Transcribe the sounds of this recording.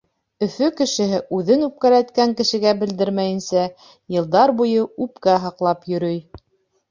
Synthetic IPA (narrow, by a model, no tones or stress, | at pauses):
ɵ̆fɵkɘ̆ʃɘ̆ɦɘʔʉðɘnʉp̚kæɾæt̪kæŋkɘ̆ʃɘ̆ɡæbɘ̆ld̪ɘɾmæjɘ̆nsæ | jɤ̆lˠd̪ɑɾbujɤʉpkæɦɑqlˠɑpjɵ̆ɾɵj